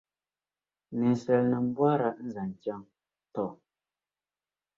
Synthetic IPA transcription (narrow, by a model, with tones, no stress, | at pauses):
nɛ˨n˨sɛ˨lnə˨m˦bwa˦ɾa˨ʔn̩˦za˨n˨ta˦ŋ | tɔ˨